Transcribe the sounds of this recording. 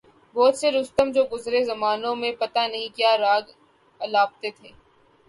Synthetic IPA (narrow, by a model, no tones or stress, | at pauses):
bɔːt̪seɾʊst̪əmd͡ʒoːɡʊzɾezɐmaːnõmẽpɐt̪anɐɦĩkjaːɾaːɡ | ɐlaːb̚t̪et̪ʰeː